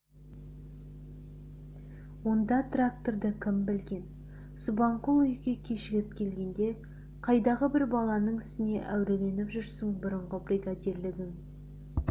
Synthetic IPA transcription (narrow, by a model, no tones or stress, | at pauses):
wo̞nd̪ɑt̪rak̚t̪o̞rd̪əkʲʰɪmbɪlɡʲe̞n | subɑɴqulˠʏjɡʲe̞kʲʰe̞ʃɪɡʲɪp̚kʲʰe̞lɡʲe̞nd̪e̞ | qʰɑjd̪ɑʁəbɪɾbɑlˠɑnəɴɪst̪ɪne̞ʔæwɾe̞le̞nɪpʒʏɾsɪŋbʊɾəɴʁəbrʲiɡad̪ʲe̞ɾlɪɡʲɪŋ